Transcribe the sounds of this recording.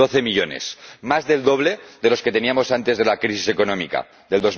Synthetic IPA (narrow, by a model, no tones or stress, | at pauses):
o̞θe̞miʎo̞ne̞̰smazðe̞ld̪o̞βle̞ðe̞lo̞ske̞t̪e̞niamo̞sant̪e̞zð̞e̞lakɾisise̞ko̞nõmḭka̰ | ðe̞ld̪o̞z